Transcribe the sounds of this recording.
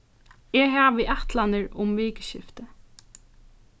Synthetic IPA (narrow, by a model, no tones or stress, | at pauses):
ɛɦaːʋɪʔaht̪lanɪɹʊmʋiːkɪʃɪ̰ft̪ə